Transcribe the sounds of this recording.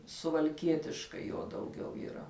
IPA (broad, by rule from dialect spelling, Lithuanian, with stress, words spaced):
sʊʋɐlʲˈkʲiɛtʲɪʃkɐɪ ˈjoː dɐʊˈɡʲɛʊ iːˈrɐ